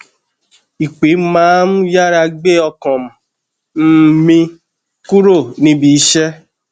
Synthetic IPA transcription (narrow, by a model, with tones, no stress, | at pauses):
i˨k͡pi˨˦mãː˨˦m̩˦ja˦ɾa˧ɡ͡be˦ɔ˧kɔ̃˨m̩˨ | m̩˦mĩ˧ | ku˦ɾo˦˨nĩ˦bi˨˦ʃɛ˦